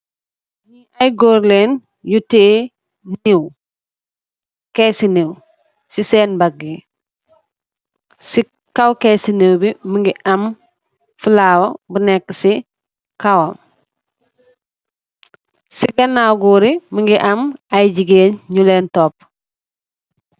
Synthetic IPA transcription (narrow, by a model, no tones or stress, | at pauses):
ɲi | ɐjɡoːɾleːn | juteː | niw | kɛsiniw | sisɛːnbaɡːi | si | kɐwkɛsiniwbiməŋɡiʔɐm | fulaːwobənɛkːəsi | kawom | siɡɐnawɡuɾiməŋɡiʔɐmɐjɟiɡeːnɲulɛːntɔp̚